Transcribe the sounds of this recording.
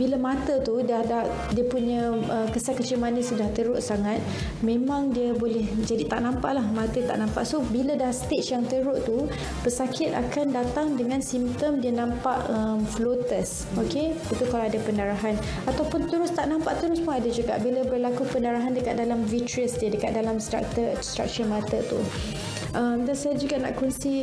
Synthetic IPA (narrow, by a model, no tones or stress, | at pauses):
bilamãt̪ət̪udahdaʔ | diəpuɲə̃əkəsakːət͡ʃɪmanəsudaht̪əɾʊʔsaŋat̪̚ | mẽmãŋdiəbolɛhd͡ʒadit̪aʔnãmpa̰ʔlahmãt̪ət̪a̰ʔnãmpa̰ʔsobiladahst̪et͡ʃjaŋt̪əɾʊʔt̪u | pəsakʰɪt̪a̰kandat̪aŋdəŋãnsimt̪əmdiənãmpaʔəmflot̪əs | okeit̪ukalaadapəndaɾaɦan | at̪awpʊnt̪əɾʊst̪aʔnãmpaʔt̪əɾʊspʊnadad͡ʒuɡa̰ʔbilabərlakupəndaɾaɦandəkat̪̚dalamvitɾiəsdiədəkat̪̚dalamst̪ɾa̰k̚t̪əst̪ɾa̰k̚t͡ʃəmat̪ət̪ṵ | ʔəmdansajad͡ʒuɡaʔnã̰ʔkɔnsi